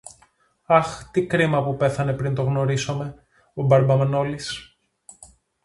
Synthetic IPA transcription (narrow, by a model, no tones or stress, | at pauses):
ɐxt̪ikɾimɐpupe̞θɐne̞pɾint̪o̞ɣno̞ɾisome̞ | obɐɾbɐmɐno̞lis